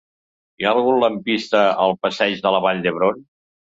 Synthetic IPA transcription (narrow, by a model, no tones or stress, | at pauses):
iaəlˠɣunləmpist̪əəlˠpəsɛʒðələβaʎd̪əβɾon